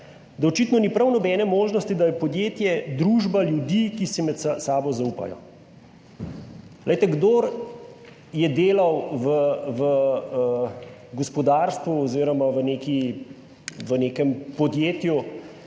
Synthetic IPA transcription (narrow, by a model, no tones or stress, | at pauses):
d̪aɔt͡ʃit̪nɔnipɾawnɔbɛːnɛmoːʒnɔst̪id̪ajɛpɔd̪jeːt̪jɛd̪ɾuʒbaljud̪iːkisimɛt̪ssaːbɔzauːpa̰jɔ̰ | ləjt̪ɛɡd̪oːɾ | jɛd̪eːlɐwʋəʋəəɡɔspɔd̪aːɾst̪ʋuɔziːɾɔmaʋəneki | ʋəneːkɛmpɔd̪jeːt̪ju